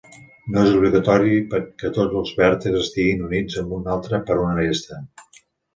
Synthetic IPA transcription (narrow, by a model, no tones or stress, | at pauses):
noezuβliɣət̪ɔɾipəkɛt̪od͡zəlˠzβɛɾt̪əzəst̪iɣinunid͡zəmbunalˠt̪ɾəpəɾunəɾest̪ə